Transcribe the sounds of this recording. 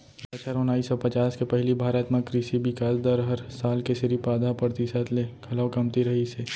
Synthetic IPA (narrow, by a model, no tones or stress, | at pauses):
pɐt͡ʃʰəɾʊnaːisɔpɐt͡ʃaːskepɛɦlibʱaːɾət̪mə̃kɾiʃibɪkaːsd̪əɾɦɐɾsaːlkesɪɾipaːd̪ʱapəɾt̪isat̪lekʰɐlakɐmt̪iɾɐɦiseː